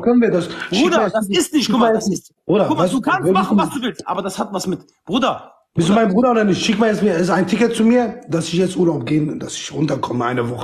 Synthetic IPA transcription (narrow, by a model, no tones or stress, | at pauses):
kʰœnənviːɐdasʃuaasɪstnɪʃtkʰʊmajɛt͡sɪs | ʔoːɾɐʊvaɪstukʰanvosmasd̥uvɪlʔa̰ːbɐdashatvasmɪt | b̥ʁuːdɐ | bɪstumaɪnbʁuːdɐoːdɐnɪçtʃɪkmaːɛɪsmiːɐɛsɪsaɪntʰɪkətt͡sumiːɐd̥asɪçjɛt͡stʔuːɐlaʊp̚ɡ̥eːnd̥asɪ̥çʁʊntɐkʰɔməʔa̰ɪnəvɔχə̥